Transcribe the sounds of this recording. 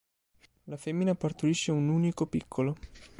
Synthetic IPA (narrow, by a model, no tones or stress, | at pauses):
lafemːinapart̪uɾiʃːeunuːnikopikʰːolo